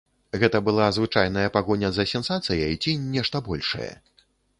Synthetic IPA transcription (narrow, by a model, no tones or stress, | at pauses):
ɣɛt̪ɐbɨlˠazvɨt͡ʂajnɐjɐpaɣɔnʲɐzɐsʲɛnsat̪sɨjɐit͡sʲinʲːɛʂt̪ɐbɔlʲʂɐ̰jɐ̰